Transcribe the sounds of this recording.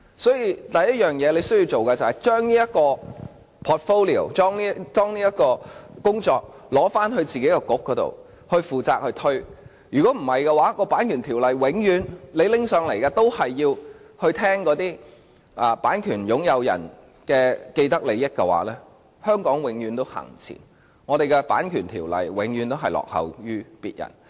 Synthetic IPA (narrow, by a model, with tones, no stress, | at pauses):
sɔː˨˥jiː˧t̪ɐ˨jːɐ˥t̚jœː˨ŋjɛː˨˧le˨˧jsɵ˥jiː˧wt͡ʃo˨wkɐ˧t͡sɐ˨˩hɐ˨jt͡ʃœː˥ŋniː˥jɐ˥t̚kɔː˧ | pʰɔː˨t̚fo˥wli˨o̰˨˩wt͡sɔː˥ŋniː˥tɔː˥ŋniː˥jɐ˥t̚kɔː˧kʊ˥ŋt͡sɔː˧k̚ | lɔː˨˥faː˥nɦɵ˧ɥt͡siː˨ke˨˥jkɛ˧kʊ˨˥k̚ːɔː˨˥t̪o̰˨w | hɵ˧ɥfuː˨˩t͡saː˧k̚hɵ˧ɥt̪ʰɵ˥ɥ | jyː˨˩kɔː˨˥m̩˨˩hɐ˨jkɛ˧waː˨˦˥kɔː˧paː˨˥nkʰy˨˩nt̪ʰi˨˩wlɐ˨jwɪ˨˧˥ŋjyː˨˧nle˨˧jlɪ˥ŋsœː˨˧ŋlɐ˨˩jkɐː˧t̪o˥whɐ˨jːiː˧whɵ˧ɥt̪ʰɛː˥ŋkɔː˨˥t̪iː˥ | ʔaː˨paː˨˥nkʰyː˨˩njʊ˨˥ŋjɐ˨˧wjɐ̰˨˩n | kɛː˧ke˧jt̪ɐ˥k̚le˨˧jɐ˥t̚kːɛ˧wa̰ː˨˥lɛː˥ | hœː˥ŋkɔː˨˥ŋwɪ˨˥ŋjyː˨˥nt̪o˥whɐ̰ː˨˩ŋt͡sʰḭː˨˩n | ŋɔː˨˧ɾe˨jkɛ˧pa̰ː˨˥nkʰyː˨˩nt̪ʰiː˨˩wlɐ̰˨jwɪ˨˥ŋɥyː˨˧nt̪o˥wɦɐ˨jlɔ̰ː˨k̚hɐ̰˨˧wjyː˥pḭː˨t̚jɐ̰˨˩n